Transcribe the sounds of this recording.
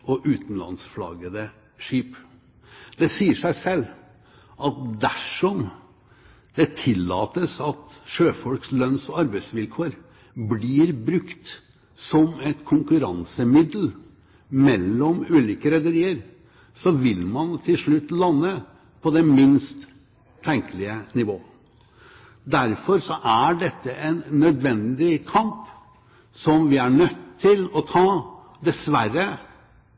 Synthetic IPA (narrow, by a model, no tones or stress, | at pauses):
ʔɔʔʉːt̪n̩lɑ̰nsflɑ̰ɡəd̪ə | ʂiːp | d̪ɛsiːəʂæɪsɛlː | ʔɑt̪̚d̪æʂɔm | d̪̥ɛt̪ʰɪlːɑ̰ːt̪əsɑt̪ʂøːfɔlkslœnsɔɑɾbæɪsʋɪlkʰoːəɾ | bliːɾbɾʉkt̪ | sɔmɛt̪kʰʊŋkʉɾɑ̰nsəmɪd̪l | mɛlːɔmʉːliːkəɾɛd̪əɾiːəɾ | sɔʋɪlmɑnt̪ʰɪlʂɭʉt̪ːlɑnːə | pʰɔd̪ɛmɪnst̪ʰː | ɛŋkəlɪənɪʋoː | d̪æɾfɔɾsɔʔæɖɛt̪ːəʔɛnːœd̪ʋɛnd̪ɪkʰɑmp | sɔmʋɪæɳœt̪ʰːɪlɔt̪ʰɑː | d̪ɛsʋærə